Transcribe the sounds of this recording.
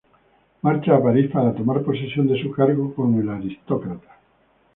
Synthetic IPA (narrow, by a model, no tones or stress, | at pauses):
maɾt͡ʃaːpaɾispaɾat̪o̞maɾpo̞sesjo̞nd̪esukaɾɣokoŋelaɾist̪okɾat̪ḁ